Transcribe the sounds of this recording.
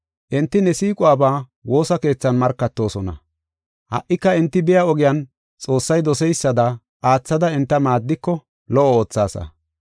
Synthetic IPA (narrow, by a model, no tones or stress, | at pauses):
ʔɛnt̪ːɪnɛsiːkʼʊaːbaː | wo̞ːsɐke̞ːt͡sːɐnmɐɾkːɐt̪ːo̞ːsɔnɐ̰ | hɐ̰ʔːɪkːɐɪnt̪ːɪbɪjɐɔɡɪjɐn | t͡sʼo̞ːsːɐjd̪ɔsɛjsːɐd̪ɐ | ʔaːt͡sːɐd̪ɐɪnt̪ːɐmaːd̪ːɪkːɔ | lɔʔɔoːt͡sːa̰ːsɐ̰